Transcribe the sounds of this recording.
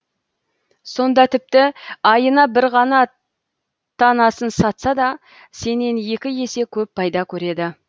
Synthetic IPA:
so̞nd̪ɑt̪ʰɪp̚t̪ɪɑjənɑbɪɾʁɑnɑ | t̪ʰɑnɑsənsɑt̪sɑd̪ɑ | se̞ne̞nje̞kʲɪje̞se̞kʲʰɵp̚pʰːɑjd̪ɑkʲʰɵɾe̞d̪ɪ

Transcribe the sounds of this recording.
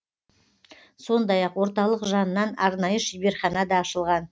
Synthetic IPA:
so̞nd̪ɑjɑqwo̞ɾt̪ɑlˠəqʒɑnənːɑnɑɾnɑjəʃibe̞ɾχɑnɑd̪ɑːʃəlˠʁɑn

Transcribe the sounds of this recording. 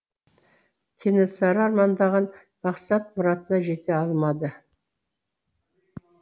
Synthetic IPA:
kʲʰenesɑɾəɑɾmɑnd̪ɑʁən | mɑqsɑt̪̚mʊɾɑt̪ənɑʒe̞t̪e̞ɑlˠmɑd̪ə

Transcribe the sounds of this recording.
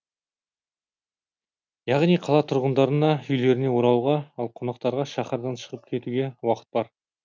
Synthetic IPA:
jɑʁnijqʰɑlˠɑt̪ʰʊɾʁənd̪ɑɾənɑʏjle̞ɾɪne̞woɾɑwʁɑɑlˠqʰonɑq̚t̪ɑɾʁɑʃɑχɑɾd̪ɑnʃə̥ʁəp̚kʲʰe̞t̪uɡʲe̞wɑqə̥t̪̚bɑɾ

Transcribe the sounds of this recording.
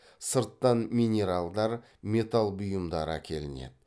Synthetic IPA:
səɾt̪ːɑnmʲinʲe̞ɾalˠd̪ɑɾ | mʲe̞t̪alˠbʊjəmd̪ɑɾəæ̰kʲʰe̞lɪnḛd̪ɪ

